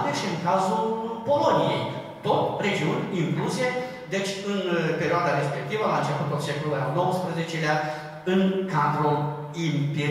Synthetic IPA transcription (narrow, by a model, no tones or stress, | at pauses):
t̪eʃiɨŋkazulpo̞lonijḛj | t̪ot̪re̞d͡ʒiunʲiŋkluzije | d̪et͡ʃʲɨnpe̞ɾʲioad̪aɾe̞spe̞k̚t̪ivəlant͡ʃefət̪ot̪sʲekluɾanowəspɾəzet͡ʃelea | ɨŋkad̪ɾo | impe